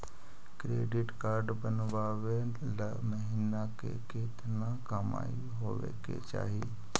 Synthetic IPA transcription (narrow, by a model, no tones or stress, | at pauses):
kɾeːɖɪʈkaːɾɖbənʋaːʋe | la | məɦiːnakḛket̪nakəma̰ːi | ɦoːʋḛkḛt͡ʃa̰ːɦi